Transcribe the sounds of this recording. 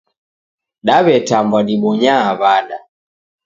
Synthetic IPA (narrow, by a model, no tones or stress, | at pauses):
ɗaβɛtambwaɗiɓɔɲaːβaɗa